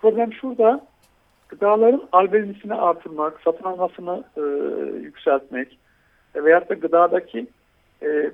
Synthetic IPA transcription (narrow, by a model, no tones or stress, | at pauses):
pʰɾo̞blʲæmʃuɾd̪a | ɡ̥ɯd̪aːlˠaɾɯnalʲbelnʲisiniʔaɾt̪ʰɯɾmaksat̪ʰɯnalˠmasɯnɯː | jycʲsælʲt̪mɛc | vɛjat̪ːaɡɯd̪aːd̪acʰi | ɛ